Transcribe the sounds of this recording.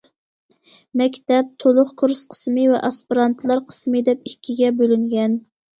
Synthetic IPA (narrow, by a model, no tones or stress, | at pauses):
mɛkʲt̪ɛp̚t̪ʰolˠʊqkʰuɾsqʰə̥smɨvɛ̰ʔɑspiɾɑnt̪ʰlˠɑɾqʰə̥smɨd̪ɛp̚ikʲʰːiɡʲɛbølyŋɡʲɛn